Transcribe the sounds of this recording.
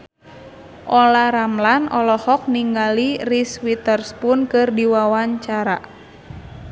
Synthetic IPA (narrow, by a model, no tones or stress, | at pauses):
ʔɔlaɾamlanɔlɔhɔk̚niŋɡaliriswit̪ərspʊnkɨrdiwawaɲt͡ʃaɾa